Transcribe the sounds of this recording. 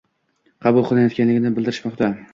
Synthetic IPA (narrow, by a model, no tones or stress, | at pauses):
qʰɑbʊlˠqʰlˠɪnjɒt̪kʲʰanlɪɡʲɪnɪbɪld̪ɪɾɪʃmɒqt̪ʰa